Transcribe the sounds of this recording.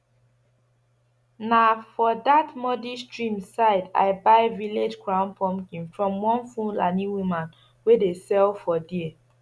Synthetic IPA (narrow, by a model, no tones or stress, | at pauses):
nafɔdatmɔdistɹĩmsaɪda̰ɪbaɪviled͡ʒkʰɹãʊ̃npʰɔ̃mkĩnfɹɔ̃mwɔ̃nfũnlanĩwimãn | wedesɛlfɔdie